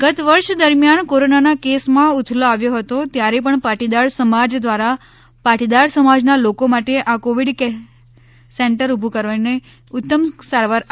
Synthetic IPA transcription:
ɡət̪ʋəɾʃd̪əɾmjankoɾonanakesmãut̪ʰloaʋjoɦət̪ot̪jaɾepəɳpaʈid̪aɾsəmad͡ʒd̪ʋaɾa | paʈid̪aɾsəmad͡ʒnalokomaʈeʔakoʋiɽke | seɳʈəɾubʱukəɾʋanne | ʊt̪ːəmsaɾʋaɾ

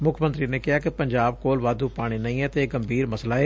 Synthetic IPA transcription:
mʊkʰmə̃nt̪ɾinekɪɦakepɐ̃ɲd͡ʒaːb̚koːlʋaːd̪upaːɽ̃inɐĩɦɛːt̪eɡəmbʱiːɾmɐslaeː

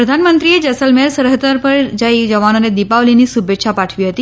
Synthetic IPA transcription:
ɾəd̪ʱanmənt̪ɾied͡ʒəsəlmeɾsəɾɦət̪əɾpəɾd͡ʒaid͡ʒəʋanoned̪ipaʋlinisubʱetːʃapaʈʰʋiɦət̪i

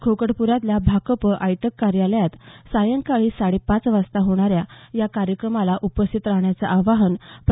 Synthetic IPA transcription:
kʰokəɽpuɾat̪ljabʱakəpəʔajt̪əkːaɾjaləjat̪sajəŋkaɭiːsaɽepãt͡sʋast̪aɦoɽ̃aɾjajakaɾjəkɾəmalaʔupəst̪ʰit̪ɾaɦɳjat͡saʔaʋaɦənp

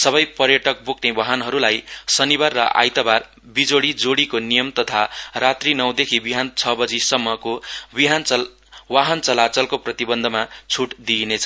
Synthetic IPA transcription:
sʌbʌjpʌrjʌʈʌk̚boknewʌɦʌnɦʌɾulajsʌnibarːʌʔa̰jt̪ʌbar | bid͡zoɽid͡zoɽikonijʌmt̪ʌt̪ʰarat̪rinʌw̃d̪ekʰibiɦant͡sʰʌbʌd͡zisʌmːʌkobiɦan | waɦʌnt͡sʌlat͡sʌlkoprʌt̪ibʌnd̪ʱʌmat͡sʰuʈd̪inet͡sʰʌ

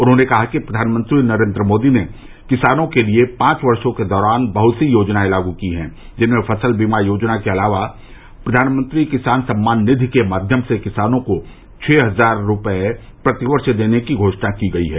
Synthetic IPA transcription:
ʊnɦõːnekɐɦakipɾɐd̪ʱaːnmə̃nt̪ɾinɐɾẽːnd̪ɾəmoːd̪ine | kɪsaːnõkeliepãːt͡ʃʋɐɾʃõked̪ɔːɾaːnbɐɦʊt̪sijoːd͡ʒnaẽlaːɡukiɦɛ̰̃ː | d͡ʒɪnmẽfʰɐsəlbimajoːd͡ʒnakeɐlaːʋa | pɾɐd̪ʱaːnmə̃nt̪ɾikɪsaːnsɐ̃mːaːnːɪd̪ʱkemaːd̪ʱjəmsekɪsaːnõko | t͡ʃʰeːɦɐzaːɾːʊpəe | pɾɐt̪ɪʋəɾʃd̪eːnekiɡʱoːʃnakiɡɐiɦɛː

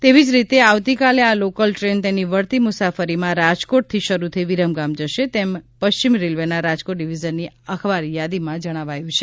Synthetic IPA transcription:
t̪eʋid͡ʒɾit̪eaʋt̪ikalealokəlʈɾent̪eniʋəɾt̪imʊsafəɾimãɾad͡ʒkoʈ̚t̪ʰiʃəɾut̪ʰiʋiɾəmɡamd͡ʒəʃet̪empəʃt͡ʃimɾelʋenaɾad͡ʒkoʈ̚ɖiʋid͡ʒənːiəkʰʋaɾjad̪imãd͡ʒəɽ̃aʋajũt͡ʃʰe

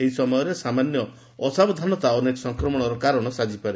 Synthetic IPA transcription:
eɦisɔmɔjɔɾesamanjɔ | ɔsabɔd̪ʱanɔt̪aɔnekɔsɔŋkɾɔmɔɽ̃ɔɾɔkaɾɔɽ̃ɔsad͡ʒipaɾe

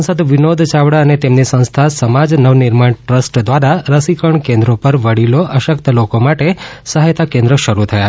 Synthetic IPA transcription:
səd̪ʋinod̪ʱt͡ʃaʋɽaənet̪emnisə̃w̃st̪ʰasəmad͡ʒnəʋniɾmaɳʈɾəsʈd̪ʋaɾaɾəsikəɳkẽnd̪ɾopəɾʋəɽiloʔəʃəkt̪əlokomaʈesəɦajt̪ʰakẽnd̪ɾəʃəɾut̪ʰəja

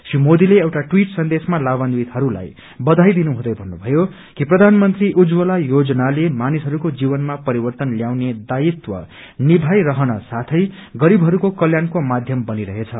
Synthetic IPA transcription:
simod̪ileewʈaʈwiʈsʌnd̪esmalabʌndwit̪hʌɾula̰j | bʌd̪ʱajd̪inuɦũd̪ʌjbʱʌnːubʱʌjo | kiprʌd̪ʱanmʌnt̪riʔud͡zwʌlajod͡zʌnalemanisɦʌɾukod͡zibʌnmapʌɾibʌrt̪ʌnljawned̪ait̪wʌ̰ | nibʱajɾʌɦʌnʌsat̪ʰʌjɡʌɾibʱɦʌɾukokʌljankomad̪ʱjʌmbʌniɾʌɦet͡sʰʌ

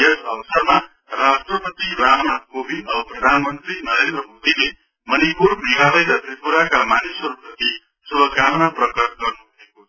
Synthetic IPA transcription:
esʌwsʌrma | rasʈrʌpʌt̪iɾanakobʱinʌbʌprʌd̪ʱanmʌnt̪rinʌɾend̪rʌmod̪ile | mʌnipuɾmʱiɡalʌjɾʌt̪ripuɾakamanisʌɾuprʌt̪i | subʱʌkamnaprʌkʌs̚ɡʌrnuɦuekot͡sʰʌ

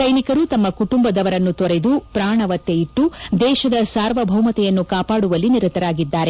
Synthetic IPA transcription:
sɐjnikɐɾuːt̪ɐmːɐkuʈumbɐd̪ɐʋɐɾɐnːut̪ɔɾed̪upɾaːɳɐʋɐt̪ːeiʈːud̪ɛːʃɐd̪ɐsaːɾʋɐbʱɐwmɐt̪ɛjɐnːukaːpaːɽuʋɐlːiniɾut̪ɐɾaːɡid̪ːaːɾe̞

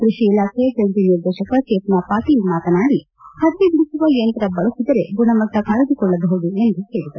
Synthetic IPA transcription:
kɾiʂiːlaːkʰejɐd͡ʒɐnt̪iniɾd̪ɛːʃɐkɐkeːpnapaːʈiːlmaːt̪ɐnaːɽi | hɐd̪ːebiɽisuʋɐjɐnt̪ɐɾɐbɐɭusid̪ɐɾeɡuɳɐmɐt̪ːɐkaːɾud̪ukɔɭːɐd̪ɐɦud̪ue̞nd̪uɦe̞ːɽid̪ɐɾu

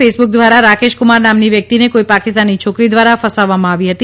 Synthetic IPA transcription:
esbuk̚d̪ʋaɾaɾakeʃkʊmaɾnamniʋjək̚t̪inekoipakɪst̪anːit͡ʃʰokɾid̪ʋaɾafəsaʋːamãaʋiɦət̪i

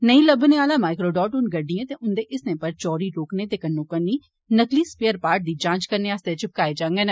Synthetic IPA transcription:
nəĩləbneaːlaːmaːɪkɾoːɖɔːʈʊnɡəɖɪãːt̪eʔʊnd̪eːʔɪsnẽːpəɾt͡ʃɔːɾiːɾoːkneːt̪eːkənːõːkənːiː | nəkliːspeːəɾpaːɾʈ̚d̪iːd͡ʒãːt͡ʃkəɾneːaːst̪et͡ʃɪp̚kaːed͡ʒãːŋɡenː

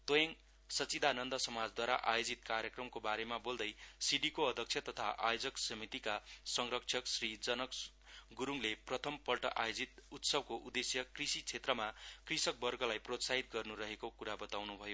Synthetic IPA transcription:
t̪ojʌŋ | sʌt͡sid̪anʌnd̪ʌsʌmad͡zd̪waɾa̰ʔa̰jod͡zit̪karjʌkrʌmkobaɾemabold̪ʌjsiɖikoʌd̪ʱʌkt͡sʰjʌt̪ʌt̪ʰa̰ʔajod͡zʌksʌmit̪ikasʌŋrʌkt͡sʰʌksrid͡zʌnʌk | ɡuɾuŋleprʌt̪ʰʌmpʌlʈʌʔajod͡zit̪ut̪sʌb̚koʔud̪esjʌkrisit͡sʰet̪rʌmakrisʌk̚bʌrɡʌlajprot̪saɦit̪̚ɡʌrnurʌɦekokuɾabʌt̪awnubʱʌjo

